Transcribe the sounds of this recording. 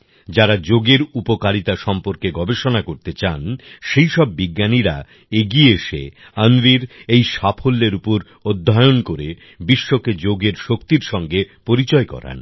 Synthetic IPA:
d͡ʑaɾad͡ʑoɡeɾupokaɾit̪aʃɔmpoɾkeɡɔbeʃonakoɾt̪et͡ɕanʃejʃɔb̚ːiɡːaniɾa | eɡieʃḛ | anɾiɾejʃapʰolːeɾupoɾ | od̪ʱːaeonkoɾe | biʃːoked͡ʑoɡeɾʃokt̪iɾʃɔŋɡepoɾit͡ɕɔekɔ̰ɾa̰n

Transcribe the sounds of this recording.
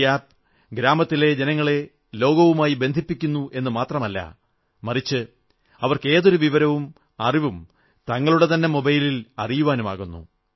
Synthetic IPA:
aːp̚ | ɡɾaːmɐt̪ːile̞d͡ʑenɐŋːɐɭe̞ | lo̞ːɡɐʋumaːjibend̪ʱipːikʲːunːuʔe̞nːɨmaːt̪rɐmɐlːɐ̰ | mɐrit͡ɕːɨ | ɐʋɐrke̞ːðo̞ɾuʋiʋɐɾɐʋum | ɐriʋum | t̪ɐŋːɐɭuɽe̞t̪ɐnːe̞mo̞bɐjlilɐrijuʋaːnuma̰ːɣunːṵ

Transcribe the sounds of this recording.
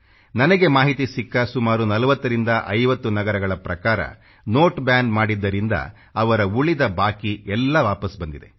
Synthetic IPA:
nɐnɐɡe̞maːɦit̪isikːɐsumaːɾunɐlɐʋɐt̪ːɐɾind̪ɐʔɐjʋɐt̪ːunɐɡɐɾɐɡɐɭɐpɾɐkaːɾɐ̰ | noːʈbjaːnɖmaːɽid̪ːɐɾind̪ɐ̰ | ɐʋɐɾɐuɭid̪ɐbaːkiɛlːɐʋaːpɐsbɐnd̪id̪e̞̰

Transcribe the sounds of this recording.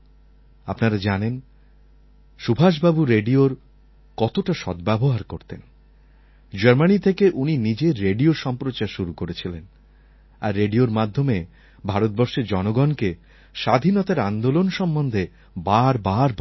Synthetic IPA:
apnaɾad͡ʑanen | ʃubʱaʃ̬babuɾeɖioɾ | kɔt̪oʈaʃɔd̪bɛboɦaɾkoɾt̪en | d͡ʑaɾmanit̪ʰekeʔuninid͡ʑeːeɖioɾʃɔmpɾot͡ɕaɾʃuɾukoɾet͡ɕʰilen | a̰ɾːeɖioɾmad̪ʱːome | bʱaɾot̪̚bɔɾʃeɾd͡ʑɔnoɡɔnke | ʃad̪ʱinɔt̪aɾand̪olonʃɔmbond̪ʱe | baɾbaɾb

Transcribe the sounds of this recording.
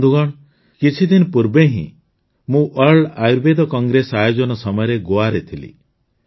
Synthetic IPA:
d̪uɡɔɽ̃ | kit͡ʃʰid̪inɔpuɾbeɦḭ̃ | mũʔəɾɖajuɾbed̪ɔkɔŋɡɾesajod͡ʒɔnɔsɔmɔjɔɾeɡoaɾet̪ʰilḭ

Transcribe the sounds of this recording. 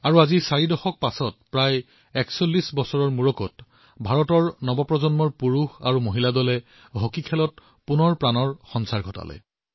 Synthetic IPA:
aɹuazisaɹidɔxɔk̚pasɔt̚pɹaj | ɛksolːisbɔsɔɹɔɹmuɹɔkɔt | bʱaɹɔtɔɹnɔbɔpɹɔzɔnmɔɹpuɹuxaɹumoɦiladɔlɛ | ɦokikʰɛlɔt̚ | punɔɹpɹanɔɹxɔnsaɹɡʱɔta̰lɔ̰j

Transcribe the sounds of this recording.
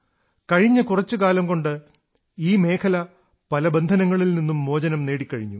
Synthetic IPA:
kɐɻiɲːɐkurɐt͡ɕːɨkaːlɐmko̞ɳɖɨ | iːme̞ːkʰɐlɐ | pɐlɐbend̪ʱɐnɐŋːɐɭilninːumːo̞ːd͡ʑɐnɐmne̞ːɽikʲːɐɻiɲːu

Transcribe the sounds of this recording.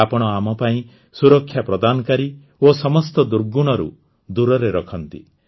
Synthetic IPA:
apɔɽ̃ɔamɔpaĩ | suɾɔkʰːjapɾɔd̪anɔkaɾi | osɔmɔst̪ɔd̪uɾɡuɽ̃ɔɾṵ | d̪uɾɔɾeɾɔkʰɔnt̪ḭ

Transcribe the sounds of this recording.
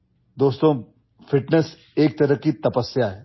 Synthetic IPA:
d̪oːst̪õː | fɪʈnes | eːk̚t̪ɐɾəkit̪ɐpəsjaɦɛ

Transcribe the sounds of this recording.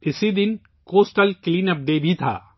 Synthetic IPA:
ɪsid̪ɪn | koːsʈəlkliːnɐp̚d̪eːbʱit̪ʰa̰ː

